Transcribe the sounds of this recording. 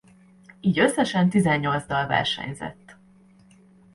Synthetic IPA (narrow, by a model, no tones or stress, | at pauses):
iːɟø̞sːɛʃɛnt̪izɛɲːo̞lzd̪ɒlvɛ̰rʃɛ̰ɲzɛ̰t̪ː